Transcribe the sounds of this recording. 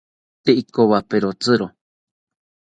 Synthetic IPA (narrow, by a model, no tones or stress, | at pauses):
t̪eʔikoβapeɾot͡sɨɾo